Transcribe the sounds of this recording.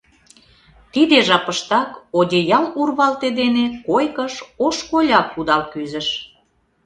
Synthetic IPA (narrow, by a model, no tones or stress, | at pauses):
t̪id̪eʒɑpəʃt̪ɑkod̪ʲejɑlurβɑlt̪ed̪enekojkəʃoʃkolʲɑk̚ːud̪ɑlkyzə̆ʃ